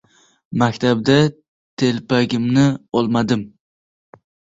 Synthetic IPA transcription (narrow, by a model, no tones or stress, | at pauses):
makʲt̪ʰabd̪a | t̪ʰe̞lpʰaɡʲɪmnɪɒlˠmad̪ɪm